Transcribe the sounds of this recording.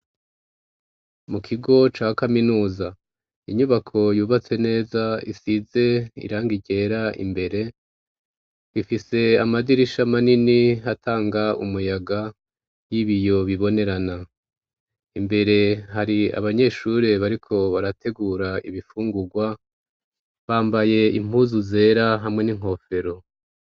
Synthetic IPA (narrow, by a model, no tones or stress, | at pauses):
mukʰiɡo̞t͡ʃaːkaminuːza | iɲuβakʰo̞juːβat͡se̞ne̞ːzaḭsize̞ḭɾaːŋɡiɟe̞ːɾaʔḭmbe̞ɾe̞ | ifise̞amadiɾiʃamaniniɦatʰaːŋɡaṵmujaɡa | jiβijo̞βiβo̞ne̞ɾana | imbe̞ɾe̞ɦaɾia̰βaɲe̞ʃuɾe̞βaɾikʰo̞βaɾatʰe̞ɡuːɾaḭβifuːŋɡuɡwa | βaːmbaje̞ḭm̥huːzuze̞ːɾaɦamŋe̞niŋ̥ɦo̞fe̞ɾo̞